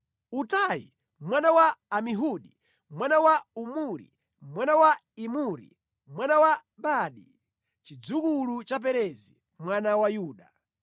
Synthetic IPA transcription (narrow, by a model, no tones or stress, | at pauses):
utajḭ | mwanawaːmiɦuɗi | mwanawaumuɾḭ | mwanawa | imuɾḭ | mwanawa | ɓaːɗi | t͡ʃid͡zukulut͡ʃap̬ɛɾɛzḭ | mwanawajuːɗa